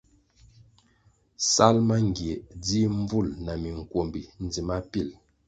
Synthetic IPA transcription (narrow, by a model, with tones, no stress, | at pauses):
sa˦lma˦ŋ˨ɡje˨d͡zi˦m˦b͡vu˦˨lna˨mi˨ŋ̩˨kwo˨mbi˨n˨d͡zi˨ma˦pi˦˨l